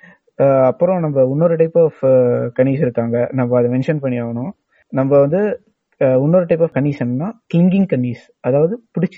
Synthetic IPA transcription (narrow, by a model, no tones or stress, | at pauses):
ɐpːɯɾɔ̃nɐmbɐʊnːoːɾɯʈɐɪpːɔfkɐɳiːsɪɾɯkːaːŋɡɐnɐmbɐːðɐʋɛnʂɐnpɐɳːijaːʋɐnʊ̃ | nɐmbɐʋɐnd̪ɯ | ʊnːoːɾɐʈɐɪp̬ːɐfkɐnːiːsɐnːɐnːaːklɪŋɡɪŋ̚kɐɳːiːs | ɐðaːʋɐðɯpʊɽɪt͡ʃːɯ̥